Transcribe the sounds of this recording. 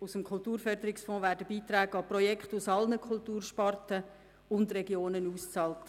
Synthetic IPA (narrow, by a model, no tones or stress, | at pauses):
usəmkʰʊltuːɾfœrd̪əɾɪksfɔ̃ːʋæːɾdəbiːt̪ɾæːɡɑprɔjɛkχtusɑlnəkʰʊltuːrʃpɑrtə | ʊndrɛɡjoːnənuːst͡sɑːlt